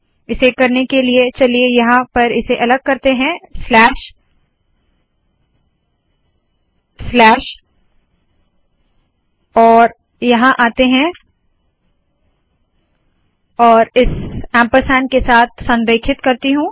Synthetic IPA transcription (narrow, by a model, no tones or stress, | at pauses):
ɪsekɐɾnekeliet͡ʃɐliejɐɦãpɐɾɪseʔɐləɡ̚kɐɾt̪eɦɛ̃slɛːʃ | slɛːʃ | ɔːɾ | jɐɦãʔaːt̪eɦɛ̃ | ɔːɾɪsɛ̃ːmpəɾsɛ̃ːnkesaːt̪̚ʰsɐ̃nɾeːkʰɪt̪kɐɾt̪iɦũː